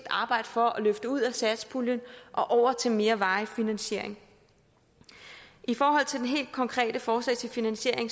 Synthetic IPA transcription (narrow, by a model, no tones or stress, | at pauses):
d̥ɑ̈ːb̥ɑ̈ɪ̰d̥əfɒ̽ɒ̽løfd̥əuð̰ˠæsæd̥spʰuljənʔɒ̽ʔɒʊ̰ɐt͡sʰe̝lme̝ːɐʋɑ̈ɪfinænɕe̝ɐ̰e̝ŋ | ʔifɒːɦɒ̽l̰t͡sʰe̝ldenɦe̝̰ːld̥̚kʰɒ̽ŋkʰʁɛ̰ːd̥əfɒːslɛ̰ɪt͡sʰe̝lfinænɕe̝ɐ̰e̝ŋ